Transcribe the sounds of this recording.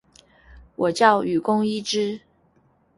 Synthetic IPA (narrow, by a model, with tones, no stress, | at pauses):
wɔ˨˩t͡ɕjɑ˥˩ʊy˨˩kʊ˥ŋi˥ʈ͡ʂɻ̩˥